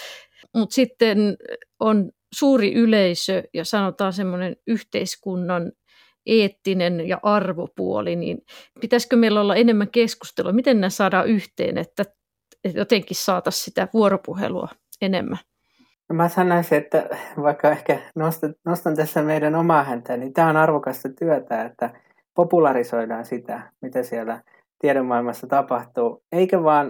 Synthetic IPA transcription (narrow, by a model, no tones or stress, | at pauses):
mut̪sit̪ːenon | suːriʔyleisøjɑsɑnot̪ɑːsemːonenyht̪eiskunːɑn | ʔeːt̪ːinenjɑ̰ʔɑrʋopṵo̰linḭːnpit̪æskømeilːæolːɑenemːæŋkesku̥st̪eluɑmit̪ennæsɑːdɑːʔyht̪ḛːnḛt̪ːæ | et̪jot̪eŋkissɑːt̪ɑssit̪æʋuoɾopuhḛluɑ̰ | enḛmːæ | nomæsɑnːoisiet̪ːæ̰ʋɑikːɑehkænost̪ɑnost̪ɑnt̪æsːæmeidænomɑːhænt̪æːnint̪æːonɑrʋokɑst̪ɑt̪yœt̪æːet̪ːæ | populɑrisoidɑːnsit̪æmit̪æsiælːæ | t̪iɛɾemːɑˑilmɑsːɑt̪ɑpɑht̪uːeikæʋɑːn